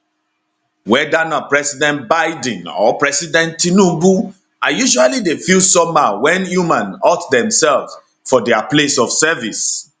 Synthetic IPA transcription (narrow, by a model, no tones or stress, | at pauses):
wɛdanɔt̚pɹɛsidɛ̃ntbaɪd̃nɔ̰pɹɛsidɛ̃ntːinubu | ajuʃualidefilsɔmawɛ̃njumãnɔtdɛ̃msɛlf | fɔdɛaplesɔfsɛvis